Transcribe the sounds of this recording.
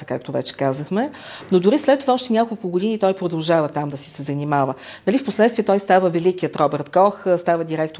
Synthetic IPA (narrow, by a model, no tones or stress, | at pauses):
əkak̚t̪ovɛ̰t͡ʃɛ̥kazəxmɛnod̪ʊɾislɛt̪ːovaɔʃt̪ɛnʲakolˠkʊɡod̪init̪ɔjpɾod̪ɐlˠʒavət̪amd̪ɐsisɛzɐnimavə | nɐlifposlɛt̪st̪viɛt̪ɔjst̪avəvɛlik̟iət̪ɾɔbɛɾt̪kɔxst̪avəd̪iɾɛkt̪